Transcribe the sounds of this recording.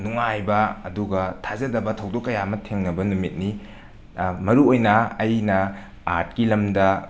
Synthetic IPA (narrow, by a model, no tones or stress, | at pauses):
nuŋajbɐɐduɡɐtʰazɐdɐbɐtʰɐwdokːɐjamɐtʰeŋnɐbɐnumit̚ni | mɐɾuojnɐɐjnɐ | aɾt̚kilɐmdɐ